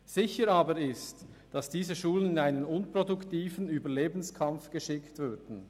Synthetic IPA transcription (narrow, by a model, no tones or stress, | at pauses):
z̥ɪçəɾɑːbəɾɪst | d̥ɑsd̥iːzəʃuːlənɪnaɪnənʊnpʁodʊktiːfənyːbəleːbn̩skʰɑmfɡ̥əʃɪktvʏɐdn̩